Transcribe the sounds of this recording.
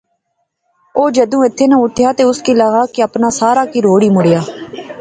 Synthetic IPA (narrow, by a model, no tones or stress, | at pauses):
oːd͡ʒəd̪ũːɪt̪ʰːeːnəʊʈʰɪjaːt̪eːʊskiːləɣaːkiəpnaːsaːɾaːkiːɾoːɽiːmʊɽejaː